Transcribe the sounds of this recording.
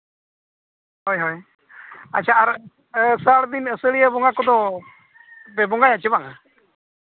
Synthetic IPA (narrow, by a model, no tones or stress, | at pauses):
hɔjɦɔj | at͡ʃʰaaɾ | saɽd̪inəsəɽijəbɔŋakɔd̪ɔ | bɛbɔŋɡaɲat͡ʃəbaŋa